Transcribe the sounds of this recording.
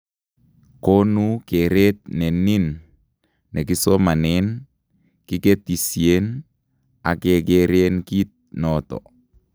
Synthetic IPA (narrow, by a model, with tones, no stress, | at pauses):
ko˦nu˦ke˨ɾe˦t̪̚nɛ˨ni˦nː | ɛ˨k̬i˦so˦ma˨nɛn | ki˦ke˦t̪i˨sie˦n | a̰˨ke˨keɾenki˦t̪̚nɔt̪ɔ̰